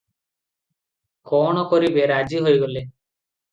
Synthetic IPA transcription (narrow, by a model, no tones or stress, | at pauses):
kɔɽ̃ɔkɔɾibeɾad͡ʒiɦojɡole